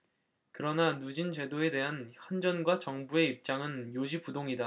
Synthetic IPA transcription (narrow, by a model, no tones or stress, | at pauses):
kɯɾʌnanud͡ʑint͡ɕe̞doe̞de̞ɦanɸwand͡ʑʌnɡwat͡ɕʌŋbue̞ip̚t͡ɕ͈aŋɯnjod͡ʑipudoŋida